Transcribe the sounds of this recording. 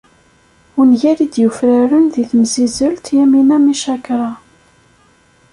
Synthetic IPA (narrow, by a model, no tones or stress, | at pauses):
ʊnʝæɾid̪jufɾaɾənðiθmzizəlt̪jæminæmiʃækɾˤɑ